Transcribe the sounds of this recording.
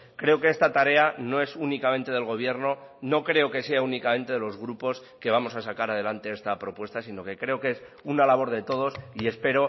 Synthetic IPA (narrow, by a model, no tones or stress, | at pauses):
kɾe̞o̞ke̞est̪at̪aɾe̞ano̞e̞sunikament̪e̞ð̞e̞lɣ̞o̞β̞je̞ɾno̞no̞kɾe̞o̞ke̞seaunikamẽ̞nt̪e̞ðe̞lo̞zɣ̞ɾupo̞s | ke̞β̞amo̞sasakaɾað̞e̞lant̪e̞est̪apɾo̞pwe̞st̪asino̞ke̞kɾe̞o̞kes | unalaβ̞o̞ɾðe̞t̪o̞ð̞o̞sie̞spe̞ɾo̞